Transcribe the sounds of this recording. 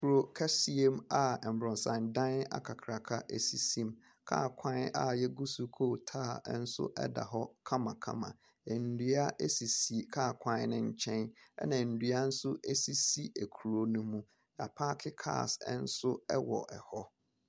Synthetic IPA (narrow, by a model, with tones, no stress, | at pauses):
kʰu˨ɾo˦kʰa˦si˦e˦ma˨ɛ˨m̩˨bɾɔ̃˨n˨sã˨ndã˦na̰˦kʰa˨kʰɾa˨kʰa˦ʔe˨si˦sĩ˦m | kʰa̰˦˨kʷʰã˦na̰˨jɛ˦ɡu˦su˨kʰoː˦˨tʰaː˦˨˦n̩˦sʊ̰˦ʔɛ̰˦da̰˨ɦɔ˦kʰã˦mã˨kʰã̰˦mã̰˨ | ɛ˨n̩˨dɥa˦ʔe˦si˨si˨kʰa˦˨kʷʰã˦nnɪ̃˦ɲ̩˦t͡ɕʰɛ̃˦nɛ̰˦nã˨n̩˨dɥa˦n̩˦sʊ˦e˦si˦si˦e˨kʰu˨ɾo˨nʊ̃˦mũ˦ | a̰˨pʰa˦kʰɪ˦kʰa̰ː˦˨sɛ˦n̩˦sʊ˦ɛ˦wɔ̰˨ʔɛ̰˨hɔ˦